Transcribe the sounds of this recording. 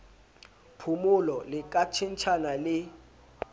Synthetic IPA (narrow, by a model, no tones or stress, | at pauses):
pʰumulɔlɪk̬ʼat͡ʃʰint͡ʃʰanalɪ